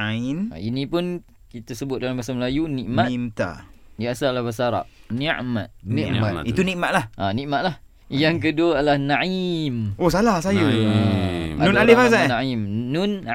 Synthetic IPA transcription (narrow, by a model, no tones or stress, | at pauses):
aina̰inĩpʊn | kit̪asəbʊt̪̚dalamasaməlajuniʔmat̪a̰ | diasalahbəsaaɾa̰p̚niʔmã̰t̪̚nimaiunĩʔmat̪̚lahʔanĩʔmat̪̚lah | jaŋkəduəalahnãimosalahsaju | a̰nũnalifasaanaimnʊn